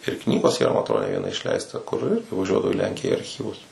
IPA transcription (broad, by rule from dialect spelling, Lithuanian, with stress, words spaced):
ɪr ˈknʲiːɡoːs iːˈrɐ mɐ ɐtˈroːdoː nʲɛ ˈʋʲiɛnɐ ɪʃʲˈlʲɛɪstɐ kʊr ˈɪr tɐɪ ʋɐˈʒʲuɔdɐʋɐʊ ɪ ˈlʲɛŋʲkʲɪjæː ɐrʲˈxʲiːʋʊs